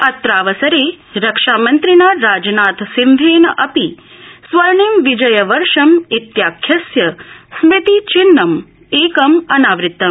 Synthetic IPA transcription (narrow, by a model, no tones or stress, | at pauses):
ɐt̪ɾaːʋɐsɐɾeː | ɾɐkʂaːmɐnt̪ɾinaːɾaːd͡ʒnaːt̪sind̪ʱeːnɐʔɐpi | sʋɐɾnimʋid͡ʒɐjɐʋɐɾʂɐmit̪jaːkʰjɐsjɐsʋit̪it͡ʃinːɐm | eːkɐmɐnaːʋɾɪt̪ːɐm